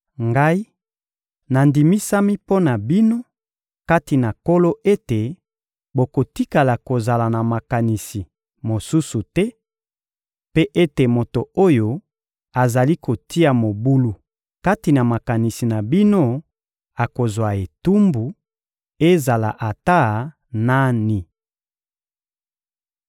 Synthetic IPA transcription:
ŋɡa˦i˦ | na˨ndi˨mi˦sa˦mi˦po˦na˨bi˦no˦ | ka˦ti˨na˨ko˦lo˦ʔe˦te˨ | bo˨ko˨ti˦ka˨la˨ko˨za˨la˨na˨ma˨ka˨ni˨si˨ | mo˨su˦su˨tɛ˦ | pe˦ʔe˦te˨mo˨to˨o˦jo˦ | a˨za˨li˦ko˨ti˦a˨mo˨bu˦lu˨ | ka˦ti˨na˨ma˨ka˨ni˨si˨na˨bi˦no˦ | a˨ko˨zwa˨e˨tu˦mbu˨ | e˦za˨la̰˨ʔa˨ta˦ | na˦ni˨

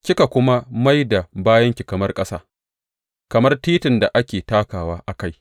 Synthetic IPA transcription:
kʲɪ˦ka˨kʷʊ˦ma˦ma˦jda˨baː˦jɐ˦ŋkʲi˨kɐ˨mɐ˦rkʼɐ˦saː˦ | kɐ˨mɐ˦rtiː˦tɪ˨nda˨ʔa˦kʲeː˨taː˦kaː˨waː˦ʔa˨ka˦j

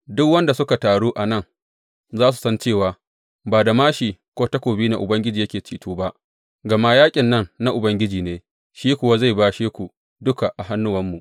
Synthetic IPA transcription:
dʊ˦kwɐ˦nda˨sʊ˦ka˨taː˨ɽuː˦ʔa˨nɐ˦˨ŋ | zaː˦s̬u̥˨sɐ˦nt͡ʃeː˦˨waː˨ | baː˨da˨maː˦ʃi˨kʷoː˦ta˦kʷoː˨biː˦na̰˨ʔʊ˨bɐ˦ŋɡʲɪ˦d͡ʒiː˨jɐ˦kʲeː˨t͡ʃiː˦tuː˦ba˦ʔ | ɡɐ˨maː˦jaː˦kʲʼɪ˨nːɐ˦˨ŋna˦ʔʊ˨bɐ˦ŋɡʲɪ˦d͡ʒiː˨neː˦ | ʃiː˦kʷʊ˨wa˦za˦˨jbaː˦ʃeː˦kʷu˨ | dʊ˦ka˨ʔa˨ɦa˦nːʊ˦wɐ˦mːu˨ʔ

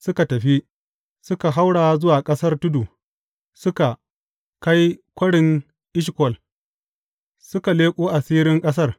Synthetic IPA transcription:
sʊ˦ka˨tɐ˨ɸi˦ | sʊ˦ka˨ɦa˦wɽaː˨˦zʊ˦waː˨kʼɐ˦sɐ˦rtʊ˦duː˨ | sʊ˦ka˨ | ka˦jkʷɐ˦ɽɪ˨ŋ | ʔɪ˦ʃ̬kʷɔ˨l | sʊ˦ka˨leː˦kʷʼoː˦ʔa˨siː˦ɾɪ˦ŋkʼɐ˦s̬ɐ˦r

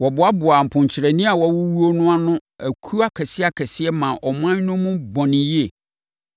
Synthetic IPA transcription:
wɔ˨bʊ˨˦a˦bʊ˨a˨m̩˨pʰʊ̃˨ɲ˨t͡ɕʰɪ˨ɾɛ˨nĩ˦a˨wɔ˦wʊ˦wu˦o˦nʊ̃˦a˦nʊ̃˦æ˨kʰu˦a˦kʰɛ˨sɪ˦a˦kʰɛ˨sɪ˦ɛ˦mã˨ʔɔ˨m˦ã˦nʊ̃˦mʊ̃˦bɔ̃˨nɪ̃˨ji˦e˨

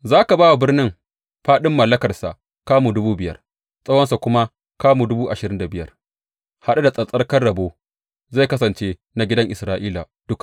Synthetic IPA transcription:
zaː˦ka˨baː˦wa˨bɪ˦rnɪ˦ŋ | ɸaː˦ɗɪ˦mːɐ˨lːɐ˦kɐ˨rsa̰˨ʔ | kaː˦mu˨dʊ˦buː˦bɪ˨jɐ̰˦r | sʼɐ˦wɐ˦nsa˨kʷʊ˦ma˦ | kaː˦mu˨dʊ˦buː˦ʔa˨ʃɪ˨ɾɪ˦nda˨bɪ˨jɐ̰˦r | ha˦ɗa˦da˨sʼɐ˨sʼɐ˦rkɐ˦rɽɐ˨boː˦ | za˦˨kɐ˦sɐ˨nt͡ʃeː˦ | na˨ɡʲɪ˦dɐ˦ŋʔɪ˨sɾaː˦ʔiː˦la˨d̥ʊ˦k

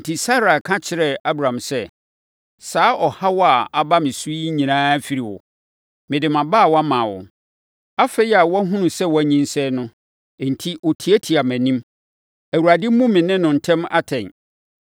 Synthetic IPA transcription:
n̩˨tʰi˨sa˦ɾa˨kʰã˦t͡ɕʰɪ˨ɾɛ˨a˦bɾã˨msɛ˦ | saː˨˦ʔɔ˨ha˦wɔ˦a˨a˨ba˦mɪ̃˨su˦i˦ɲĩ˨nãː˦fi˦ɾi˨wɔ̰˨ | mɪ̃˨dɪ˨mã˨baː˦˨wɔ˦a˦mãː˨wʊ̰˨ | a˦fe˦i˦a˨wɔ̃˦ɦʊ̃˦nʊ̃˨sɛ˦wɔ˨˦æ˨˦ɲĩ˦n˦sɛ˦nʊ̃˦˨ | n̩˨tʰi˦ʔo˨tʰi˨æ˦tʰi˨a˨mæ̃˨nĩ˦m | æ˨wu˨ɾa˨dɪ˦m˦mũ˦mɪ̃˨nɪ̃˦nʊ̃˨n̩˨tʰɛ̃˦ma̰˦tʰɛ̃˨n

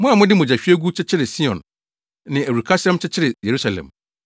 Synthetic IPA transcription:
mʊ̃˦a˨mʊ̃˦dɪ˦mʊ̃˨d͡ʑæ˨ɕᶣɥæ˦ɡu˦t͡ɕʰɪ˦t͡ɕʰɪ˦ɾɪ˨si˦ɔ̰̃˨n | nɪ̃˨æ˨ɾu˨kʰa˦sɛ̃˦mt͡ɕʰɪ˦t͡ɕʰɪ˦ɾɪ˨je˨ɾu˦sa˨lɛ̰̃˨m

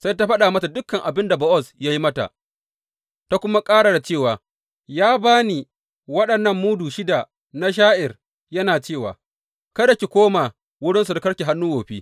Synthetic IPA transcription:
sa˦jt̬a˦ɸɐ˦ɗa˨mɐ˦ta˨dʊ˦kːɐ˨ŋʔa˨bɪ˦nda˨bɐ˦ʔɔ˦˨sja˦ji˦mɐ˦ta̰˨ʔ | ta˦kʷʊ˦ma˦kʼaː˦ɽa˨da˨t͡ʃeː˦˨waː˨ | jaː˦baː˦niː˨ | wɐ˦ɗɐ˨nːɐ˦˨mːuː˦duː˨ʃɪ˦da˨ | na˦ʃ̬aː˦ʔɪ˨r | jɐ˦naː˨t͡ʃeː˦˨wa̰ː˨ | kɐ˦da˨kʲi˨kʷoː˦ma˨ | wʊ˦ɽɪ˦ns̬u˨ta˦kɐ˦ɽkʲi˨ɦa˦nːuː˦woː˨ɸiː˦

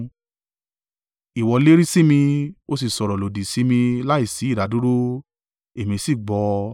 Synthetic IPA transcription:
i˨wɔ˧le˦ɾi˦si˦mĩ˧o˧s̬i˨sɔ˨ɾɔ˨lo˨di˨si˨˦mĩ˧la˦i˦˨si˨˦˨ɾa˨˦du˦ɾo˦ | e˨mĩ˧si˦˨ɡ͡bɔ˨˧

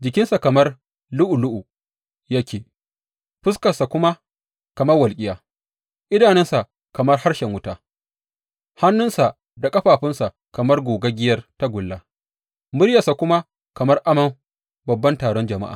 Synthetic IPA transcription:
d͡ʒɪ˨kʲɪ˦nsa˨kɐ˨mɐ˦r | lʊ˦ʔu˨lʊ˦ʔu˨ | ja˦kʲeː˨ | ɸʊ˦skɐ˨sa˨kʷʊ˦ma˦ | kɐ˨mɐ˦rwɐ˨lkʲʼɪ˦jaː˨ | ʔɪ˦daː˨nɛ˦nsa˨ | kɐ˨mɐ˦rha˦rʃɛ˨ŋwʊ˦taː˦ | ha˦nːʊ˦nsa˨ | da˨kʼɐ˦ɸaː˨ɸɪ˦nsa˨ | kɐ˨mɐ˦rɡʷoː˨ɡa˦ɡʲɪ˦jɐ˦rta˦ɡʷʊ˨lːaː˦ | mʊ˦ɽjɐ˨sa˨kʷʊ˦ma˦ | kɐ˨mɐ˦rʔa˦mɐ˦m | bɐ˨bːɐ˦ntaː˨ɽɔ˦nd͡ʒɐ˨ma̰˦ʔa̰ː˨

